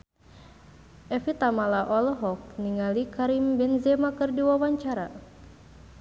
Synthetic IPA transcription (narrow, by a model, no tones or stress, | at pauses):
ʔɛfit̪amalaʔɔlɔɦɔk̚niŋalikaɾimbɛnzɛmakɨrdiwawaɲt͡ʃaɾa̰